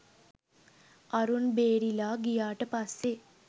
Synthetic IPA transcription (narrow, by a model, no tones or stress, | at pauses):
ɐɾunbeːɾilaːɡijaːʈəpɐsːe